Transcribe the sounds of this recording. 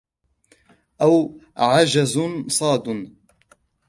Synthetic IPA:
ʔawʕad͡ʒazsˤɑːd̪n

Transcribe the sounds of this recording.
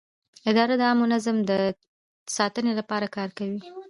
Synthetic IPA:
ɪd̪ɑɾad̪əɑmʊnazamd̪ə | sɑt̪ənelapɑɾakɑɾkawi

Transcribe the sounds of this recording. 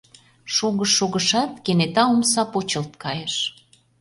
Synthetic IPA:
ʃoɣəʃːoɣəʃɑt̪kenet̪ɑomsɑpot͡ɕə̆lt̪̚kɑjəʃ

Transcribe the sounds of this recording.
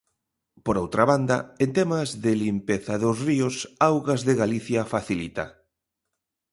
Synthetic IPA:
poɾowt̪ɾaβand̪ɐent̪emazðelimpeθaðʊzriʊsawɣazðɪɣaliθjafaθilit̪a̰

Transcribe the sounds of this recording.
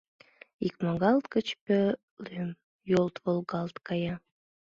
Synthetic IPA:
ikmɑɣɑlt̪kə̆t͡ɕpø | løm | jolt̪volˠɡɑlˠt̪kɑjɑ

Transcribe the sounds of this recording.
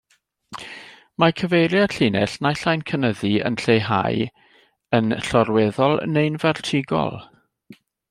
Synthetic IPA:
makʰəvejɾjaɬɪnɛɬnaɬajnkʰənəðiə̰nɬejɦa̰j | ənɬɔrwɛðɔlˠnejnvɛrtʰɪɡɔ̰lˠ

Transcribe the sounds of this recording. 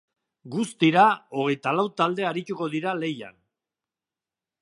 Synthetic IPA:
ɡust̪iɾao̞ɣ̞e̞jt̪alawt̪ald̪e̞aɾit̪uko̞ðiɾale̞ja̰n

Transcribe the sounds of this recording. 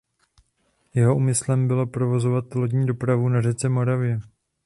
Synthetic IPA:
jɛɦo̞ʔuːmɪslɛmbɪlo̞pɾo̞vo̞zo̞vat̪̚lod̪ɲiːdo̞pɾavunaʒɛt͡sɛmo̞ɾavɪjɛ

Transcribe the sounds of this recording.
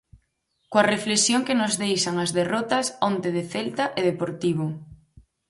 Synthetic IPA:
koɐreflesjoŋkɪnʊzðejʃɐŋɐzðerɔt̪ɐsont̪eð̞eθelt̪ɐʔeðepoɾt̪iβʊ

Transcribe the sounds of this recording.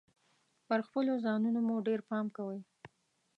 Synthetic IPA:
pəɾxpəlozɑnunomoɖeɾpɑmkawəj

